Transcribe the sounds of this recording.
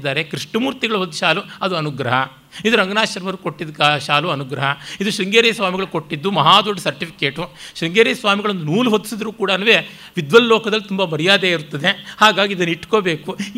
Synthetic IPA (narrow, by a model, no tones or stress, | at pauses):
d̪ːaːɾekɾiʂʈɐmuːɾt̪iɡɐɭuɦod̪ːuʃaːluɐd̪uɐnuɡɾɐɦɐ | id̪uɾɐŋɡɐnaːʃɐɾʋɐɾuko̞ʈːid̪kːʃaːluɐnuɡɾɐɦɐid̪uʃɾiŋɡeːɾɛjɐsʋaːmiɡɐɭuko̞ʈːid̪ːumɐɦaːd̪oːɖɐsɐɾʈipʰi̥keːʈuʃɾiŋɡeːɾejɐsʋaːmiɡɐɭond̪unuːluɦot̪ːi̥sid̪ɐɾuːkuːɽɐnːɐʋe̞ | ʋid̪ʋɐllɔːkɐd̪ɐlːit̪umbɐbɐɾijaːd̪eːiɾut̪ːɐd̪e̞haːɡaːɡid̪ɐnːiʈːko̞ːbe̞ːku